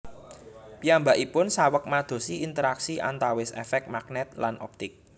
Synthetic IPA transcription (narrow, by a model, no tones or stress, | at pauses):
piambaʔipʊnsawək̚mad̪̥o̤siint̪əɾaksiʔa̰nt̪awɪsɛ̰fɛk̚t̪̚maknɛt̪̚lanʔɔ̰p̚t̪ɪk̚